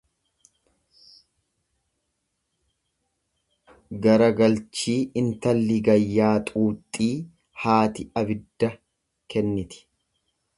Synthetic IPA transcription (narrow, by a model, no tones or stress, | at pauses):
ɡɐɾɐɡɐlt͡ʃiːɪnt̪ɐlːɪɡɐjːaːt̪ʼuːt̪ʼːiː | haːt̪ɪɐbɪd̪ːɐ | kɛnːɪt̪ɪ̥